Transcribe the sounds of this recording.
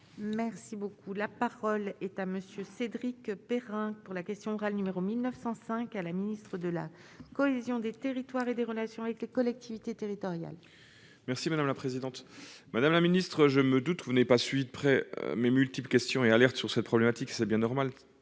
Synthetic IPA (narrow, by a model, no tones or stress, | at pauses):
mɛʁsibokulapaʁɔlɛt̪aməsjøsed̪ʁikpeʁɛ̃puʁlakʲɛst̪jɔ̃ɔʁalnymeʁomilnœfsɑ̃sɛ̃kalaminist̪χəd̪əla̰ | kɔezjɔ̃d̪et̪eʁit̪waʁed̪eʁəlasjɔ̃avɛklekɔlɛk̚t̪ʰivit̪et̪eʁit̪ɔʁja̰l | mɛʁsimad̪amlapχezid̪ɑ̃t̪mad̪amlaminist̪χəʒəməd̪ut̪kəvunaepasɥivid̪əpχɛ̰mɛmylt̪ipləkʲɛst̪jɔ̃ealɛʁt̪syʁsɛt̪pχɔblemat̪iksɛbjɛ̃nɔʁmal